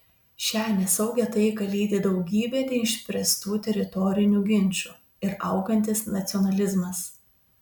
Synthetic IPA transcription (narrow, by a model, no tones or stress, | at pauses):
ʃʲæːnʲɛsɒʊɡʲɛt̪ɐɪɡɐlʲiːd̪ʲɪd̪ɒʊɡʲiːbʲeːd̪ʲɛɪɪʃʲpʲɾʲɛst̪uːt̪ʲɛɾʲɪt̪ɔːɾʲɪnʲuːɡʲɪnʲˑt͡ʃʲuː | ɪɾɐʊɡɐnʲt̪ʲɪsnɐt̪sʲɪɔnɐlʲɪzmɐs